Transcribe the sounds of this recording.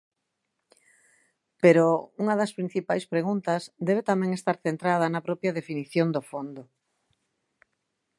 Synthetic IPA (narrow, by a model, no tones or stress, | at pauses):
peɾouŋɐðɐspɾin̟θipajspɾeɣunt̪ɐzd̪ɛβ̞et̪amɛ̃ŋest̪aɾθent̪ɾað̞ɐnɐpɾɔpjɐðefiniθjond̪ofond̪o